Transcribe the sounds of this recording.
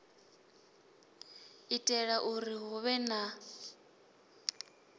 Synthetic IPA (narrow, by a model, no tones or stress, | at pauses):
itʼɛɺaʔuɾiɦuβɛna